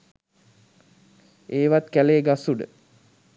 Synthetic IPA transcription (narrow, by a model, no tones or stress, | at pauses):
eːʋat̪̚kæleːɡasuɖə̰